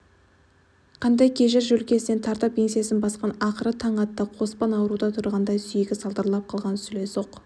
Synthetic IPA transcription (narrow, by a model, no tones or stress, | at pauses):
qʰɑnd̪ɑjkʲʰe̞ʒɪɾʒɵlkʲe̞sne̞nt̪ʰɑɾt̪ɑp̚pːʰʲe̞nsijasɪnbɑsqɑnɑqəɾət̪ʰɑɴɑt̪ːəqʰo̞spɑnɑwəɾud̪ɑt̪ʰʊɾʁɑnd̪ɑjsʏjeɡʲɪsɑlˠd̪əɾlˠɑp̚qʰɑlˠʁɑnsʏle̞so̞q